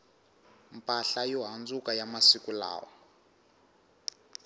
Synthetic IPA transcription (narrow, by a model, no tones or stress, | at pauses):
mpʼaɬajɔɦand͡zukajamasikula̰ːwɔ